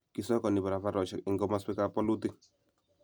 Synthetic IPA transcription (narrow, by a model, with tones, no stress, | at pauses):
ki˦sɔ˦kɔ˨ni˨ba˨ɾa˨fa˦ɾɔ˨ʃɛ˨kɪ˨ŋɡɔ˦ma˦sɛ˦ka˨pɔ˦lu˦t̪i˦